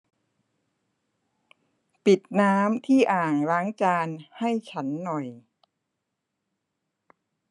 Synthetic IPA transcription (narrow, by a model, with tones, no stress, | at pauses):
pi˨˩t̪̚naː˦˥mt̪ʰiː˥˩ʔaː˨˩ŋɾa˦˥ŋt͡ɕaː˧nha˥˩jt͡ɕʰa˦˥nːɔ˨˩j